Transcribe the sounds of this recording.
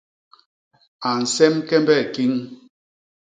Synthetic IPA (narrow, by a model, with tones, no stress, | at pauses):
a˨n̩˨sɛ˦mkɛ˦mbɛ˦˨ki˦ŋ